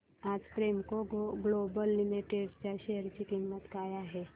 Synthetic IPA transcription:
ad͡zpɾemkoɡlobəlːimiʈeɖt͡ɕaʃeəɾt͡ɕikimːət̪kajaɦɛ

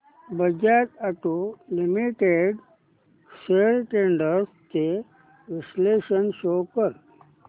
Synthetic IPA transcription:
bəd͡ʒat̪aʈulimiʈeɖ | ʃeːlʈẽːɳɖəɾske | ʋɪsleːʃənʃoːkəɾ

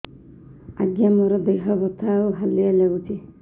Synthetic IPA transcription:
a̰ɡjamɔɾɔd̪ejɦɔbɔt̪ʰawɦalialɛɡut͡ʃʰi

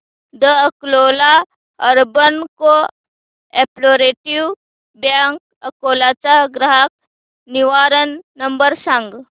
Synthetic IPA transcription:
d̪əəkloːla | ɐɾbənko | eːploːɾeːʈiw | bjaːŋk | əkoːlaːt͡ʃaɡɾəɦək̚ | niʋaːɾənːɐmbəɾsə̃ŋɡ

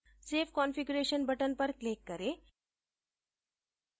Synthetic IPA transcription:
sefkɔnfiɡuɾeɕənbʱəʈənpəɾklekːəɾe

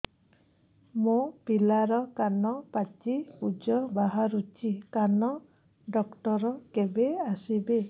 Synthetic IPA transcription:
mũpilaɾɔkanɔpat͡ʃipud͡ʒɔbaɦaɾut͡ʃikanɔ | ɖɔkʈɔɾɔkebeasibe

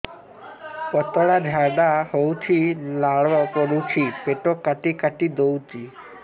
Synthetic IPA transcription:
pɔt̪ɔɽad̪ʱaɖahowt͡ʃʰilaɭʋapɔɾut͡ʃʰipeʈokːaʈikaʈid̪owt̪i

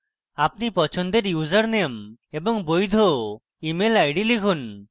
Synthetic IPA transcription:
ap̚nipɔt͡ʃʰɔnd̪eɾjuzəɾnemebɔŋbojd̪ʱo | imelajɖilikʰun

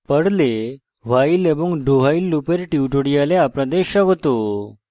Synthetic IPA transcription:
pəɽle | ʋaileboŋɡɖʱoɦailːupeɾʈiuʈoɽijaleapɽad̪eɕaɡot̪o

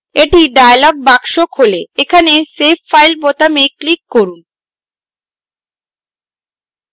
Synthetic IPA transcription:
eʈiɖajlɔɡ̚bakʃokholeekʰanesepfajlbot̪ameklikːoɾun

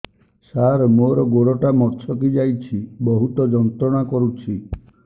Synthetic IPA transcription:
saɾmoɾɔɡoɽɔʈamɔɾt͡ʃʰɔkid͡ʒajt͡ʃʰibɔɦut̪ɔd͡ʒɔnt̪ɾɔɽ̃akɔɾut͡ʃʰi

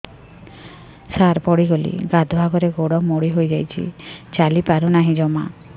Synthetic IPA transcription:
saɾpɔɽiɡolḭɡad̪ʱbʱaɡɔɾeɡoɽɔmoɽiɦojd͡ʒajt͡ʃʰḭt͡ʃalipaɾunaɦĩd͡ʒɔma̰

